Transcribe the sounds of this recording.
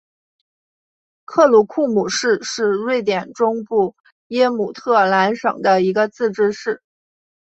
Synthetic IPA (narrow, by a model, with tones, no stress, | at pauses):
kʰɤ˥˩lu˧˥kʰu˥˩mu˨˩ʂɻ̩˥˧ʂɻ̩˥˧ɻwe˥˩ɪt̪jɛ˨˩nʈ͡ʂʊ˥ŋpu˥˩ | jɛ˥mu˨˩t̪ʰɤ˥˩la˧˥nʂɤ̰˨˩ŋd̪ə˦i˧˥ɡə˧t͡sɹ̩˥˩ʈ͡ʂɻ̩˥ʂɻ̩˥˩